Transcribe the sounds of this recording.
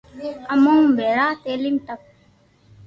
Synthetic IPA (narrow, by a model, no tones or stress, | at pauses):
ɐmõːmbʱeːɾaːt̪eːlimt̪ək̚